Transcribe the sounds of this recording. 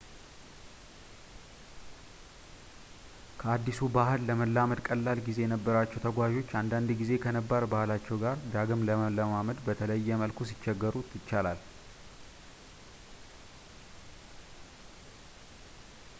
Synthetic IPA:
kʰəad̪ːisubahɨlːəməlːaməd̪kʼəlːalɡize̞jɛnəbːəɾat͡ʃːɛwt̪ʰəɡʷaʒo̞t͡ʃːand̪and̪ɡize̞kʰənəbːaɾbahlat͡ʃːɛwɡaɾd̪aɡɨmləməlːəmaməd̪bət̪ʰələjːɛməlkʰus̬ɪt͡ʃːɛɡːəɾut̪jɪt͡ʃːalal

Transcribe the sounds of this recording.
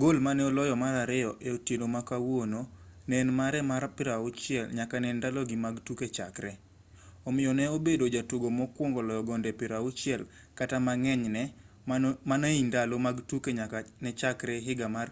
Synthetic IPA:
ɡolmanɛolɔjɔmaɾaɾɪɔʔɛotjenomakawononɛnmaɾɛmaɾpɪɾaut͡ʃɪɛlɲakanɛndaloɡɪmaɡtuket͡ʃa̰kɾɛ | omɪjɔnɛobedod͡ʒatuɡomɔkwoŋɡɔlɔjɔɡɔndɛpɪɾaut͡ʃɪɛl | katamaŋɛɲnɛ | manaindalomaɡtukeɲaknɛt͡ʃakɾɛɦɪɡamar

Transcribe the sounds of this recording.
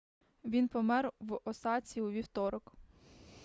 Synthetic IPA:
ʋʲinpɔmɛrwɔsɑt͡sʲiuʋʲiwt̪ɔɾɔk

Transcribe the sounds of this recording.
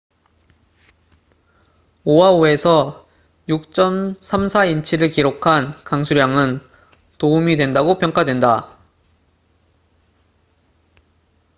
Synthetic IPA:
owaue̞sʰʌ | juk̚t͡ɕ͈ʌmsʰamsʰaint͡ɕʰiɾɯɭkiɾokʰankaŋsʰuɾjaŋɯn | toumidwe̞ndaɡopʰjʌŋk͈adwe̞nda

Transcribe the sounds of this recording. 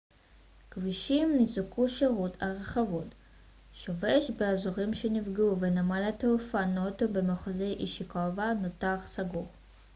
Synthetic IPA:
kviʃimːizukuʃeʁut̪ʰa̰ʁeχavut | ʃoveʃbeazoʁimʃenifɡuvenamalat̪eufanot̪obemeχozejʔiʃikovanotaχsaɡuʁ

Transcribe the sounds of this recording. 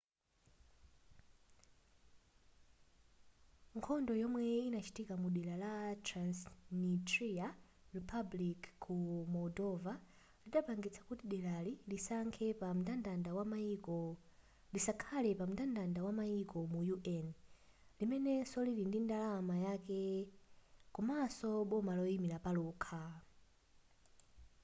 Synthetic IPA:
ŋkʰɔndɔjɔmwɛinat͡ʃi̥tikamuɗilalatɾansnitɾia | ripʰablikkʰːumɔdɔva | liɗapaŋɡit͡sʰḁkutiɗɛlalilisaŋkʰɛpam̩tandandawamaikɔ | lisakʰalɛpam̩utandandawamaikɔmujuʔɛn | limɛnɛsɔlilindindalamajakɛ | kumasɔɓɔmalɔimilapaluːkʰa

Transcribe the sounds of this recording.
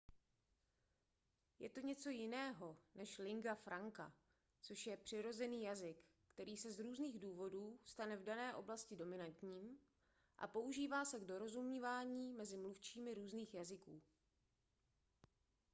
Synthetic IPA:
jɛt̪o̞ɲɛt͡so̞jɪnɛːɦo̞nɛʃlɪŋɡafɾaŋka̰ | t͡so̞ʃjɛpr̥ɪɾo̞zɛniːjazɪkː | t̪ɛɾiːsɛzɾuːzniːɣduːvo̞duːst̪anɛvdanɛːʔo̞blascɪdo̞mɪnant̪ɲiːm | ʔa̰po̞uʒiːvaːsɛɡdo̞ɾo̞zumɲivaːɲiːmɛzɪmluft͡ʃiːmɪɾuːzniːxjazɪkuː

